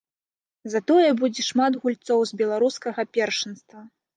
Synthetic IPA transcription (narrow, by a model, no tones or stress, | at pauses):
zɐt̪ɔjɛbud͡zʲɛʂmad̪ɣulʲt̪sɔwzbʲɛlˠaɾuskɐɣɐpʲɛrʂɨnst̪vɐ